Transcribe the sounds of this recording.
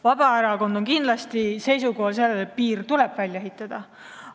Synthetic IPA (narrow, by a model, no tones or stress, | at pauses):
vɑb̥ɑeɾɑko̞nd̪o̞nkind̪lɑst̪ise̞jsuko̞hɑls̬e̞lːelet̪̚piːrt̪ule̞b̥vælʲjɑeɦit̪ˑːɑd̪̥ɑ